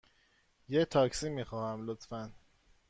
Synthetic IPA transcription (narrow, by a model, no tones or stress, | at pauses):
jet̪ʰɒːksiːmiːxɒːhæmlot̪fæn